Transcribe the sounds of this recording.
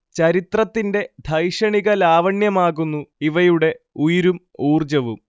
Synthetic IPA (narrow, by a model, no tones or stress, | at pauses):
t͡ɕɐɾit̪rɐt̪ːinde̞d̪ʱɐjʂɐɳiɣɐlaːʋɐɳjɐmaːɣunːuiʋɐjuɽe̞ | ujiɾum | uːrd͡ʑɐʋum